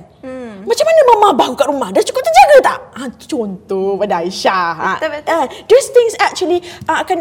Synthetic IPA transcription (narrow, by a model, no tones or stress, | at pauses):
n | mat͡ʃamːanamãmãbahŋkaʔ̚ɾumahdant͡ʃu̥kʊp̚t̪əɲd͡ʒaɡat̪aʔat͡ʃont̪ɔbadaiʃaɦaadist̪ɪŋsɛk̚t͡ʃuəliʔaakan